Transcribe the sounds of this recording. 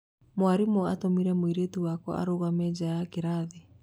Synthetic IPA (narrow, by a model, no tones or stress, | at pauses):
mwaɾimɔatomiɾɛmoiɾetuwakɔ̰ʔa̰ɾoɣamɛːd͡ʑajakeɾaðe